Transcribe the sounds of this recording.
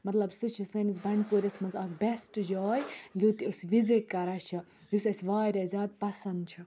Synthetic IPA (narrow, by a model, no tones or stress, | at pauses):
mɐt̪lɐbsɨt͡ʃʰisɐnis̬bɐɳɖpuɾʲɐsʲmɐnzɐkbesʈd͡ʒɔːjjut̪iusʋiziʈ̚kɐɾat͡ʃʰɐ | jusɐsʲʋaːjɾʲɐzʲaːd̪̚pɐsɐnd̪̚t͡ʃʰɐ